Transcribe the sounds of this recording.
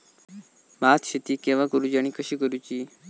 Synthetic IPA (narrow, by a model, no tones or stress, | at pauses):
maːt̪ʰɕit̪iːkeʋakəɾud͡ʒaɽ̃iːkʰəɕiːkəɾut͡ʃiː